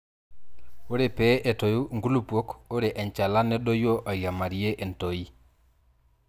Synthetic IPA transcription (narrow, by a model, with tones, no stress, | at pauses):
o˦ɾe˨pe˦ʔe˨to˨ju˦ŋɡu˦lu˦po˦ko˦ɾe˨ʔe˨ɲt͡ʃa˨la˦ne˦ɗo˦jo˦ʔa˨ja˨ma˨ɾi˦e˦ʔe˨nto˨i˦